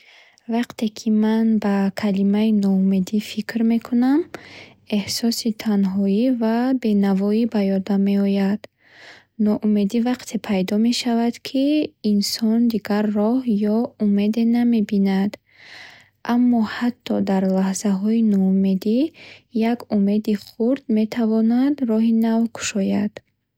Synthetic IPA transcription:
vaqt̪ʰe̞kʰimanbakʰalimainɔume̞d̪ifikʰɾme̞kʰunam | e̞hsɔsit̪ʰanɦɔivabe̞navɔibajɔd̪ame̞ɔjad̪̥ | nɔʔume̞d̪ivaqt̪ʰe̞pʰajd̪ɔme̞ʃavad̪kʰiːnsɔnd̪iɡaɾːɔhjɔume̞d̪e̞name̞binad̪ | ʔamːɔhat̪ʰːɔd̪aɾlahz̥aɦɔinɔume̞d̪ijaɡume̞d̪iχuɾd̪me̞t̪ʰavɔnad̪rɔɦinavkʰu̥ʃɔjad̪̥

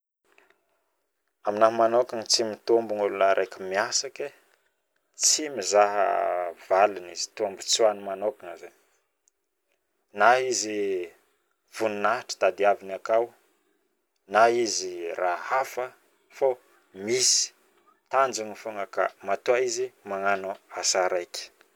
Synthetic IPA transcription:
aminaɦmanokaŋt͡simit̪ombunulunəɾʔekəmiasake | t͡simizaɦə̰v̥alinizi̥t̪ombut͡suanimanokaŋaza | naizi | v̥ununaʈ͡ʂə̥t̪ad̪iavinakaw | naizirahafə | fo | misi̥ | t̪and͡ʒaŋifoŋəka̰mat̪uaizimaŋanuasaɾajki̥

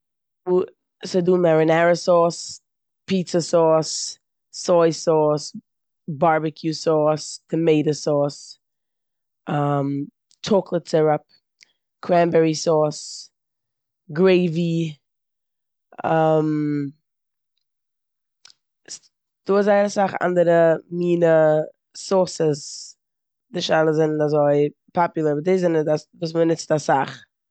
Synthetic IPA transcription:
u | səduːnmaɹənaɹəsɔːs | pʰitsəsɔːsː | ɔɪsɔːs | baɹbɪkʰjusɔːstʰəmeɪɾəsɔːs | ʔʌm | t͡ʃʰɔklˠətsɛɹəp̚ | kʰɹæmbɛɹisɔːs | ɡɾeɪvi | am | s | d̥uːzaɪnasaχa̰ndəɾəmiːnə | sɔsəs | dɪʃaɪlˠəzɪnazoɪpʰɔpjʊlˠəɾədezɪnəasvuːs̬mənɪt͡stasaχ

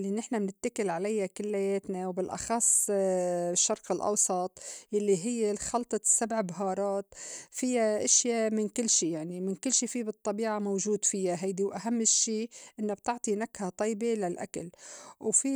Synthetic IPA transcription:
lːinɪħnamnɪt̪ːakɪlʕalajːakɪlːajeːt̪nawbɪlʔɑ̰xɑsˤː | ɪʃːɑɾˤqɪlʔɑ̰wsˤɑt̪ˤjalːiɦɪjːelxɑlt̪ˤɑsːabʕbaɦɑːɾˤɑːt̪fɪjːaʔɪʃjamɪnkɪlːʃiːjaʕnimɪnkɪlːʃiːfiːbɨt̪ˤːɑbiːʕamowʒuːd̪fɪjːaɦajd̪iwʔaɦamːɪʃːiːʔɪnːabt̪ɪʕt̪ˤinakhat̪ˤɑːbelalʔa̰kalwfi

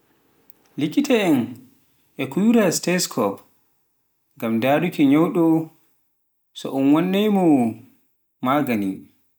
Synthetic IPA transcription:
likitʰɛɛn | ʔɛkujuɾastɛskʰɔp | ŋɡamdaːɗukɛɲɔwɗɔ | sɔ̰ʔɔnwanːɛjmɔ | maːɡani

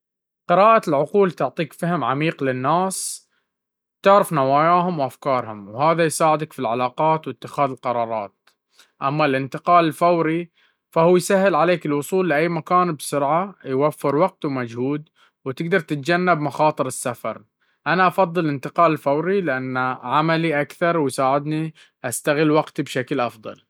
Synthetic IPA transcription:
qɪɾaːʔalʕʊquːlt̪ʊʕt̪ˤiːkfahɪmʕamiːqlɪnːaːs | t̪ɪʕɾɪfnawaːjaːɦʊmwʔafkɑːɾˤhʊmwhaːðajsaːʕɪd̪akfilʕalaːqɑːt̪wɪt̪ːɪxaːðɪlqɑɾˤɑːɾˤɑ̰ːt̪̚ | ʔamːalʔɪnt̪ɪqɑːlɪlfawɾi | fahuːjsaɦːɪlʕaleːkɪlwʊsˤuːlːɪʔajːmakaːnbsʊɾʕajwafːɪɾwaɡ̚t̪uwmad͡ʒhuːd̪ | wt̪ɪɡd̪ɑɾˤt̪ɪt̪̚d͡ʒanːabmaxɑːt̪ˤɨɾɪsːafɑ̰ɾˤ | ʔanaʔɑfɑðˤːɨlɪnt̪ɪqɑːlɪlfawɾilɪʔanːaʕamaliʔakθɑɾˤwɪjsaːʕɪd̪ni | ʔast̪aɣɪlːwaɡt̪ibʃaklʔɑfðˤɑ̰l

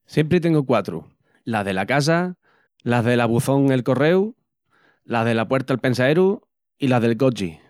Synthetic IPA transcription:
sjempɾet̪e̞ŋɡokwat̪ɾṵ | laɦðe̞lakas̬a | laðelaβuθo̞ŋe̞lko̞re̞w | laðe̞lapwe̞ɾt̪alpe̞nsaeɾu | ilaðe̞lkot͡ʃi

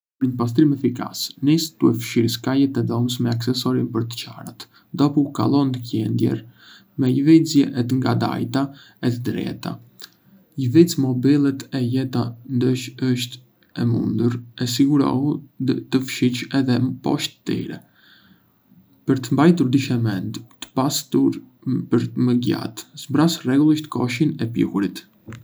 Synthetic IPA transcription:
pəɾɲəpas̬t̪ɾimɛfika̰snist̪uɛfəʃiɾskajɛt̪ɛðɔməs̬mɛaksɛsɔɾinpəɾt̪ə̥t͡ʃa̰ɾat̪ | d̪ɔpuka̰lˠɔnd̪əcɛnd̪jɛ̰ɾ | mɛjvid͡zjɛʔɛt̪əŋɡad̪a̰jt̪a | ɛt̪əd̪ɾɛ̰t̪a̰ | jəvit͡smɔbilˠɛt̪ʰɛjɛt̪and̪əʃəʃt̪ | ɛmṵnd̪uɾɛs̬iɡuɾɔ̰hut̪əfʃit͡ʃɛðɛpɔ̰ʃt̪t̪ḭɾɛ̰ | pəɾt̪əmbajt̪uɾd̪iʃɛmɛnd̪t̪ə̥past̪uɾ | pəɾməɡa̰t̪zbɾasrɛɡulˠiʃt̪ə̥kɔʃinɛpjṵkuɾit̪

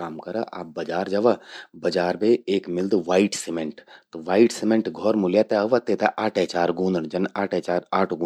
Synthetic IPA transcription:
aːmkɐɾəʔa̰ːp̚bɐd͡ʒaːɾd͡ʒɐʋabɐd͡ʒaːɾbeeːkmɪld̪ʋaːiʈsimeɳʈt̪ʋaːiʈsimẽɳʈɡʱɔːɾmʊljat̪ɛɐʋɐt̪et̪ɛʔaːʈʰɛt͡ʃaːɾɡũːnd̪əɳd͡ʒɐnaːʈʰet͡ʃaːɾaːʈʰɡː

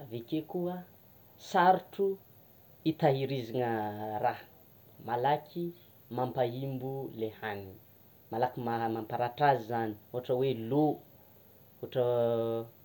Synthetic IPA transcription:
avekekuə | saɾʈ͡ʂu | it̪aɦiɾiziŋərah | malakʰi | mampaimbulehani | malakimamampaɾaʈ͡ʂazizani̥oɦaʈ͡ʂəwelo | uaʈ͡ʂə

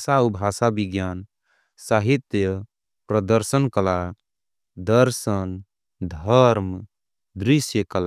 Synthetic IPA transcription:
saubʱasabiɡjan | saɦit̪jə | pɾəd̪əɾsənkəla | d̪əɾsən | d̪ʱəɾm | d̪ɾisjəkəl

